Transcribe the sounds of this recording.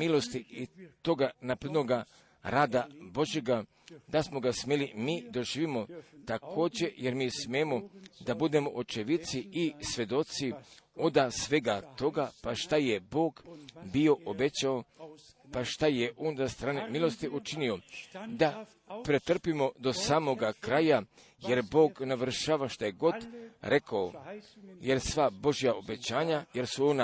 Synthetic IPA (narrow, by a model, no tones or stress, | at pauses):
milˠo̞st̪iit̪o̞ɡanapɾed̪no̞ɡa | ɾaːd̪abo̞ʒje̞ɡa | d̪asmo̞ɡasmelimiːd̪o̞ʒiːʋimo̞t̪akʰo̞ːd͡ʑe̞jeɾmiːsmemo̞d̪abud̪e̞mo̞ʔot͡ʃeʋit̪siisʋe̞d̪o̞t̪sio̞d̪asʋe̞ɡat̪o̞ɡapaʃt̪ajebo̞ːɡbio̞ʔobet͡ɕao | paʃt̪ajeʔoːnzast̪ɾaːnemilo̞st̪iʔut͡ʃinio̞d̪a | pɾet̪r̩pimo̞d̪o̞saːmo̞ɡakɾaja | je̞ɾbo̞ːɡnaʋr̩ʃaːʋaʃt̪ajeɡo̞d̪ɾe̞kao | jeɾsʋabo̞ʒijao̞be̞t͡ɕaːɲaje̞ɾsuo̞na